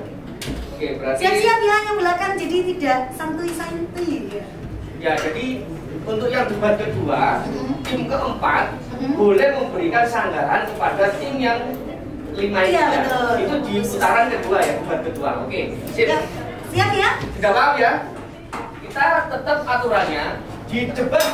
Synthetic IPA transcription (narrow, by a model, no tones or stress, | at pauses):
okebəɾart̪iasiapiɦakjaŋbəlakand͡ʒadit̪idaʔsamt̪uisaɪnəlija | jad͡ʒadi | unt̪ʊk̚jaŋbubat̪̚kədua̰t̪ɪmkəʔəmpa̰t̪̚ | bolɛhməmbəɾikansaŋɡaɾa̰npadat̪ɪmjaŋ | limaiəat̪it̪udiut̪aɾankəduajabəbat̪̚kədua̰o̰kesɪn | siapiɦaʔt̪idaʔlapija | kit̪at̪ət̪əp̚at̪uɾanɲa | did͡ʒəba